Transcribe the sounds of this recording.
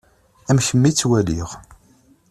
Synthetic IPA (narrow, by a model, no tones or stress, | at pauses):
æmçəmːit͡sːwæliʁ